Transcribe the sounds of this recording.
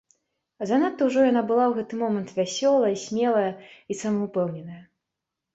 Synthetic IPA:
zanat̪ːɐwʐɔjanabɨlˠawɣɛt̪ɨmɔmɐnt̪vʲasʲɔlˠɐjisʲmʲɛlˠɐjɐisɐmɐupɛwnʲɛnɐjɐ

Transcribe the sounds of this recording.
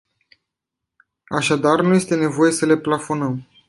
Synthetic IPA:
aʃad̪arnuje̞st̪e̞ne̞vo̞je̞səle̞plafo̞nəm

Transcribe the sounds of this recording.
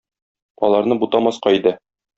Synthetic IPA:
ɒ̰lˠɑɾnɤbut̪ɑmɒsqɑid̪ɘ

